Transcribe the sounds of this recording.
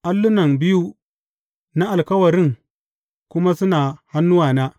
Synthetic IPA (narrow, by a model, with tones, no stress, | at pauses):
ʔa˦lːʊ˦nɐ˨nbɪ˦ju˦ | na˦ʔa˨lkɐ˦wɐ˨ɾɪ˦˨ŋ | kʷʊ˦ma˦sʊ˦naː˨ha˦nːʊ˦waː˨na˦